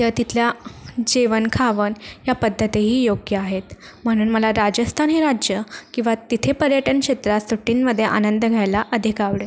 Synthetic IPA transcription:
j̪ət̪it̪ʰljad͡ʑeʋənkʰaʋənɦjapəd̪ʱːət̪iɦiːjoɡjəaɦet̪ | m̤əɽ̃uːnməlaɾad͡ʑəst̪ʰanɦeɾad͡ʑjəkĩw̃ʋat̪it̪ʰepəɾjəʈənkɕet̪ɾasuʈinməd̪ʱːjeʔa̰nənd̪əɡʱjajlaʔəd̪ʱikaʋɽe

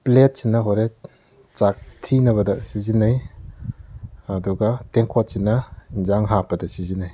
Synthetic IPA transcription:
plet̚sinːɐɦoɾe | t͡ʃak̚tʰinɐβɐdɐsizinːaj | ɐduɡɐteŋkʰot̚sinːɐinzaŋɦapɐdɐsizinaj

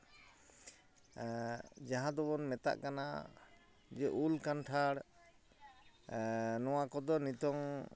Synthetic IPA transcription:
d͡ʒaɦãd̪ɔbɔnmɛt̪a̰ʔkana | d͡ʒɛʔulkanʈʰaɽ | nɔwakɔd̪ɔnit̪ɔŋ

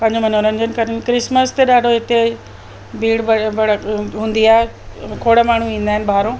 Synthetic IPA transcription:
pɐ̃ɦɪɲd͡ʑʱomɐn̤õɾɐ̃ɲd͡ʑənɪ̆kɐɾənɪ̆kɾɪsməst̪eɗaːɖʱoɦɪt̪e | bʱiːɽbɐbɐɽɦũːn̆d̪iaːɦkʰoːɽəmaːɳ̤uĩːnd̪aːɦɪnɪ̆bʱaːɾõː

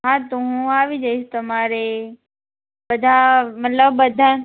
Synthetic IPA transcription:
ɦãt̪uɦũaːʋid͡ʒɐɪst̪ɐmaːɾe | bɐd̪ʱamɐt̪ləb̚bɐd̪ʱa

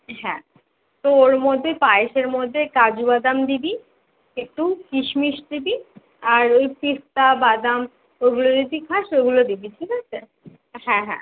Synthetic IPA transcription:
ɦɛ̃ | t̪ooɾmod̪ʱːepaeʃeɾmod̪ʱːekad͡ʑubad̪amd̪ibi | ek̚ʈukiʃmiʃd̪ibi | aɾojpist̪abad̪am | oɡulod͡ʒid̪ikʰaʃoɡulod̪ibit̪ʰikat͡ɕʰe | ɦɛ̃ɦɛ̰̃

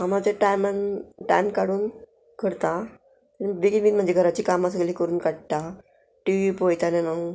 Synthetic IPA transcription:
ɦamat͡ɕaʈajmənʈa̰jmkaɽuːn | kʰəɽt̪a | t̪ənʋiɡit̪ʋinm̤ənd͡zeɡʱəɾat͡ɕiːkamas̬əɡliːkəɾuːnkaɽt̪a | ʈiʋipojt̪anena

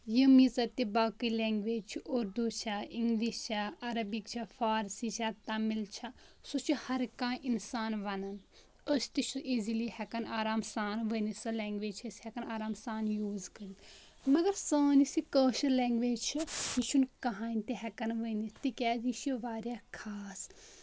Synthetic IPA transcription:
jɐmizɐt̪ibaːkilɛ̃ːŋɡʋeːd͡ʒt͡ʃʰioɾd̪uːt͡ʃʰaiŋɡliːst͡ʃʰaɐɾɐbikt͡ʃʰafaːɾsit͡ʃʰaːt̪aːmilt͡ʃʰasut͡ʃʰihɐɾkãːʔinsaːnʋɐnɐn | əst̪iʃuʔizilihɛkɐnaːɾaːmsaːnʋənisɐlɛːŋɡʋeːd͡ʒt͡ʃʰshɛkɐnaːɾaːmsaːnjuːzkɐɾi | mɐɡɐɾsəːnisikəːʃɐlɛ̃ːŋɡʋeːd͡ʒt͡ʃʰijiʃʰunkɐɦaːnt̪eɦɛkɐnʋənit̪ikʲɛːziʃoʋaːɾʲjaːkʰaːs

